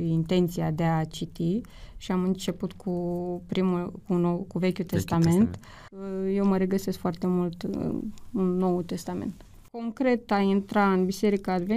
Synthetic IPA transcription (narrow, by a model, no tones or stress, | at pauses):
int̪e̞nt̪siad̪e̞at͡ʃit̪iʃiamɨnt͡ʃe̞put̪kʰupɾimulkunowkuve̞kʲut̪e̞st̪ame̞nt̪ | je̞wməɾe̞ɡəse̞skfoart̪e̞mult̪unːo̞wt̪e̞st̪ame̞̰nt̪ | ko̞ŋkɾe̞t̪aint̪ɾaɨnbise̞ɾikaːd̪ve